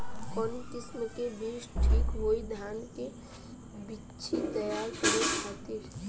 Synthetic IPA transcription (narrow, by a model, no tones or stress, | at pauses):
kɔnʈɪsnəkebiːt͡ʃʰʈʰiːkɦoːid̪ʱaːnke | bi | t͡ʃʰit̪ɐjaːɾkɾekʰaːt̪i